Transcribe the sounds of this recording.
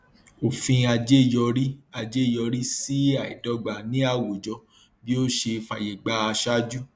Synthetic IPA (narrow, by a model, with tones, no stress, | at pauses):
o˨fĩ˧a˧d͡ʒe˦˨jɔ˧ɾi˦a˧d͡ʒe˦˨jɔ˧ɾi˦si˦a˦˨ḭ˨dɔ˨˦ɡ͡ba˨nĩ˦a˦˨wo˨d͡ʒɔ˧ | bi˦o˦ʃe˧fa˨je˨ɡ͡ba˧˦a˧ʃa˦d͡ʒu˦